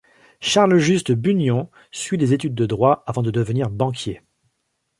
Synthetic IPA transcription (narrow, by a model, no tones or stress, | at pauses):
ʃaʁlʒyst̪əbynjɔ̃ | sɥid̪ezet̪yd̪ːəd̪ʁwaavɑ̃d̪əd̪əvəniʁbɑ̃kʲje